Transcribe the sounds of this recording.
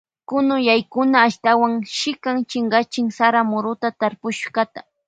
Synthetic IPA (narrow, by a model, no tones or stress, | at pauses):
kʊnʊjajkʊnaːʃt̪awaŋʃɪkaŋt͡ʃɪŋɢat͡ʃɪŋsaɾamʊɾʊt̪at̪aɾpʊʃɢat̪ḁ